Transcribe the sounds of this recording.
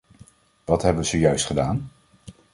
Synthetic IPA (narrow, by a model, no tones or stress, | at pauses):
ʋɑtɦɛbəʋəz̥ojœɥstχədaːn